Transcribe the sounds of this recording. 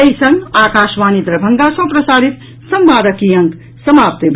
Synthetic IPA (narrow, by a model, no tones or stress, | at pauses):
ejsʌŋakaːsʋanit̪ɾəbʱʌŋɡasɐ̃pɾəsaːɾit̪ | sʌmbaːɾəkijʌŋk | sʌmap̚t̪eb